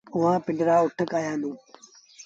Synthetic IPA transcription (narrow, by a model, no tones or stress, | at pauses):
ʊɦãːpɪ̃ɳɖɪɾaːʊʈʰəkaːjãːnũː